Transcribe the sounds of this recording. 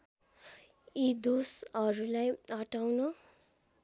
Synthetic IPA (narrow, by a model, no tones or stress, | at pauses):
id̪osʌɾulajʌʈawno